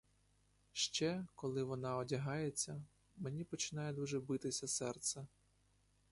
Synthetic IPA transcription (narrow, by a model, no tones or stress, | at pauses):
ʃt͡ʃɛkɔlˠɪʋɔnɑɔdʲɐɦɑjet͡sʲːɐ | menʲipɔt͡ʃɪnɑjɛd̪uʒɛbɪt̪ɪsʲɐsɛrt̪sɛ